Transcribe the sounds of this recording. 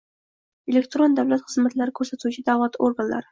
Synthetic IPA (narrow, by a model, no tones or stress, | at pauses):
elʲekt̪ɾond̪awlat̪χɨzmat̪laɾɪkʰɵɾsat̪ʰut͡ʃʰɪd̪avlˠat̪oɾɡanla̰ɾɪ